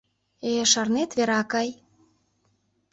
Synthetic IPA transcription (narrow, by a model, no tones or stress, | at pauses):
eʃɑrnet̪βeɾɑkɑj